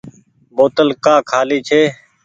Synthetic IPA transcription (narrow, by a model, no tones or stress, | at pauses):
boːt̪əlkaːkʰaːliːt͡ʃʰeː